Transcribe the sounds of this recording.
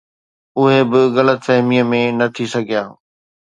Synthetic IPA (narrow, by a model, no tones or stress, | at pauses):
ʊɦebɪɣɐlət̪fɛɦɪmijəmẽnɐt̪ʰisɐɡʱijaː